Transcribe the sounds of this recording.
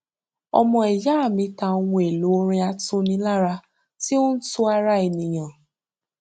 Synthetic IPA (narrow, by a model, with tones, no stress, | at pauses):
ɔ̰˧mɔ̃˧ɛ˨ja˨˦a˦˨mĩ˨˦ta˧o˧wũ˧e˨lu˨˦o˧ɾ̃ĩ˧˦a˧to˧nĩ˧˦la˦ɾa˧ | ti˦o˦n̩˦tu˦a˧ɾa˦e˨nĩ˨j̃ã˨